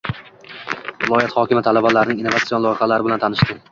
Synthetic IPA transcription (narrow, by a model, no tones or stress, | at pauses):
vɪlˠɒjat̪hɒkʲɪmat̪ʰalabalaɾɪnɪŋinːovat̪sionlˠɒjɪχalaɾɪbɪlant̪ʰanɪʃt̪ɪ